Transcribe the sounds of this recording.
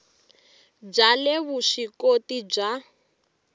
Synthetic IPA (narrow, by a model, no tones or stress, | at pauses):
b͡ʐalɛβuʂikotib͡ʐa